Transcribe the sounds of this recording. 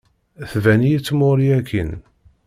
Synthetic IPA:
θvænijit͡sːmʊɾiækʰːin

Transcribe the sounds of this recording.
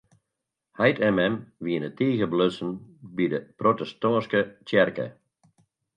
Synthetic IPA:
hɛjtɛmɛmʋiənətiːɣəbløsənbidəprotɛstɔːnskət͡ʃjɛrkə̰

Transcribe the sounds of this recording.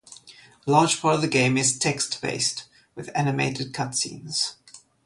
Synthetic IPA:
lɑ̥ːd͡ʒ̥pʰɑˑɾʌvðəɡẽɪ̃mɪz̥tʰɛkstb̥ḛɪst | wɨðænɨmeɪtɨd̚kʰʌtsḭ̃ːnz̥

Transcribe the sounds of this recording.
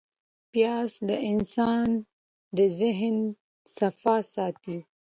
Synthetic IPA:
pjɑsd̪əʔɪnsɑn | d̪əzɪɦn | safɑsɑt̪i

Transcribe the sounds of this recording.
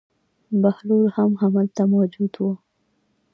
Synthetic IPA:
bahluɾhamhamalt̪amad͡ʒud̪wu

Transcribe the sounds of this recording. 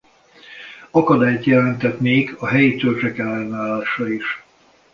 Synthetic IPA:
ɒkɒd̪aːjt̪jɛlɛnt̪ɛt̪neːɡɒɦɛjit̪ørt͡ʃɛkɛlːɛnaːlːaːʃɒiʃ

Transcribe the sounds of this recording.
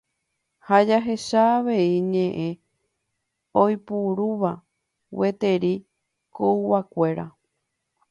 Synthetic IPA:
had͡ʒaɦe̞ʃaːʋe̞iɲẽ̞ʔẽ̞ | ojpuɾuʋa | we̞t̪e̞ɾi | kouwakʷe̞ɾa̰

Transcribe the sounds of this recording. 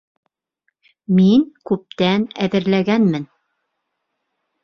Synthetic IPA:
miŋkʉp̚t̪ænæðɘ̆ɾlæɡænmɘn

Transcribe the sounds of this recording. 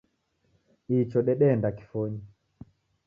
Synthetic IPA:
it͡ʃɔɗɛɗɛndaki̥fɔɲi

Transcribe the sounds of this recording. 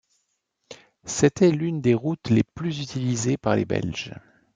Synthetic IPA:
set̪ʰɛlynd̪eʁut̪leplyzyt̪ilizepaʁlḛbɛ̰lʒ̥

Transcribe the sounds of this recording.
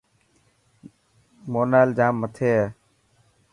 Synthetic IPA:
moːnaːld͡ʒaːmːət̪ʰeː

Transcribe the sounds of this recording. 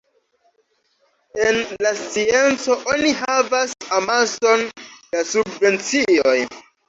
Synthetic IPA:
enlast͡sie̞nt͡so̞ʔoniɦavasamazondasubve̞nt͡sio̞j

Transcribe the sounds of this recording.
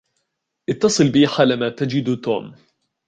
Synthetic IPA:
ʔɪt̪ːɑsˤɨlbiːħaːlamat̪ad͡ʒɪd̪t̪o̰ːm

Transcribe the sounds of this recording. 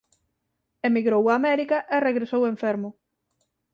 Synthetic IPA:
emiɣɾowaːmɛɾikɐʔereɣɾesoweɱfɛɾmʊ

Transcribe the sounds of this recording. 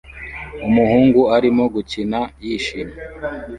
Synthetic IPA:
umuhuːŋɡuaɾimo̞ɡucinajiʃine

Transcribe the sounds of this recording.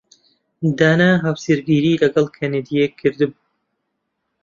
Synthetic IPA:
d̪aːnaɦawsiɾɡiːɾiːlɐɡɐlˠkʰaned̪ijekʰːɨɾd̪ɨb

